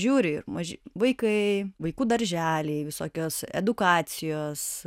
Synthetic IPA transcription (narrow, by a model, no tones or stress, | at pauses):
ʒʲuːɾʲɪɪ̰rmɐʒʲʋɐɪkɐɪʋɐɪkuːd̪ɐɾʲʒʲæːlʲɛɪʋʲɪsoːkʲoːsɛ̰d̪ʊkɑːsʲɪjoːs